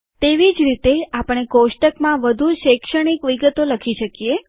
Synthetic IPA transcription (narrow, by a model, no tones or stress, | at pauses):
t̪eʋid͡ʒɾit̪eapəɳ̃ekoʃʈəkmãʋəd̪ʱuʃekʃəɽ̃ikʋiɡət̪oləkʰiʃəkije